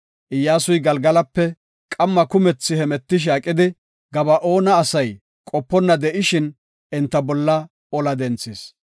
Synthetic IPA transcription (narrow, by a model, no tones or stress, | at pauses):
ʔɪjːaːsʊjɡɐlɡɐlɐpːɛ | kʼɐmːɐkʊmɛt͡sːɪhɛmɛt̪ːɪʃ̬aːkʼːɪd̪ɪ | ɡɐbɐʔo̞ːnɐːsɐj | kʼɔpːɔnːɐd̪ɛʔɪʃɪn | ɛnt̪ːɐbɔlːɐ | ɔlɐd̪ɛnt͡sːɪs